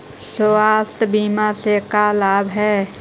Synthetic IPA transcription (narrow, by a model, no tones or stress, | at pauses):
soːaːsbiːmasekalaːbɦɛː